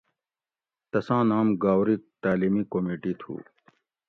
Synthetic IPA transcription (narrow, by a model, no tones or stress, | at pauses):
t̪ɐsãːnaːmɡaːwɾit̪aːliːmikomiːʈit̪ʰṵː